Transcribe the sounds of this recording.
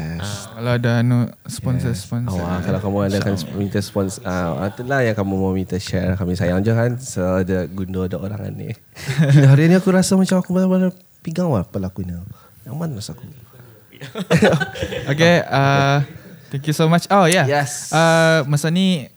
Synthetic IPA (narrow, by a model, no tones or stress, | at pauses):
jɛskalaadanuspɔnsəspɔnawakalawkamuadakanmĩnt̪əspɔnsəa̰t̪əlajaŋkamũmamĩt̪əʃɛkamisajaŋd͡ʒokansoadəɡundodaʔoɾa̰ŋa̰nːḭ | aɦaɾiniakuɾasamat͡ʃamakumasamana | piɡaŋlahpəlakunə | jamanrasaaku | okea | t̪ɛ̃ŋkjusomat͡ʃojajɛsamasani